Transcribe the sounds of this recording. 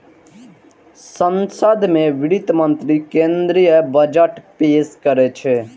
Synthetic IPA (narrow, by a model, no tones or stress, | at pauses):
sənsəd̪mẽʋɪɽit̪mənt̪ɾikẽnd̪ɾijəbəd͡ʒəʈpeːskəɾet͡ʃʰe